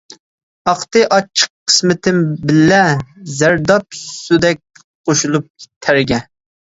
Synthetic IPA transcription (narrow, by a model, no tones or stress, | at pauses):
ɑχt̪ɨʔɑt͡ʃʰːə̥qʰːə̥smɪt̪ʰɪmbɪlːɛzæɾd̪ɑp̚sud̪ɛk̚ʲ | qoʃulˠup̚ʲt̪ʰæɾɡʲɛ